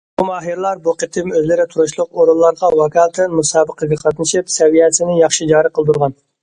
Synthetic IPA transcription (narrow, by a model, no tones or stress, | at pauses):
bumɑːɦiɾlˠɑɾbuqət̪ʰɪmøzlɪɾɪt̪ʰuɾuʃlˠʊqoɾullˠɑɾʁɑwɑkɑːlˠt̪ʰɪnmusɑːbəqəɡʲɛqʰɑt̪nɨʃipsɛwijɛsɪnɪjɑχʃid͡ʒɑːɾəqʰəlˠd̪uɾʁɑn